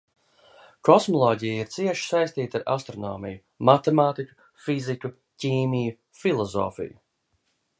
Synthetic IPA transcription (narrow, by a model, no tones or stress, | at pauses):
kɔsmɔlˠɔːɟijiɾt̪siɛʃi̥sajst̪iːt̪aɾa̰st̪ɾɔnɔ̰ːmiju | mat̪ɛmaːt̪ikʲu̥ | fiziku | ciːmiju | filˠɔzɔ̰ːfḭju